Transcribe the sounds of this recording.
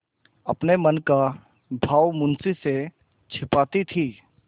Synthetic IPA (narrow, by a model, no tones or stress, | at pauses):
ɐpnemənka | bʱaːwmʊ̃nsise | t͡ʃʰɪpaːt̪it̪ʰiː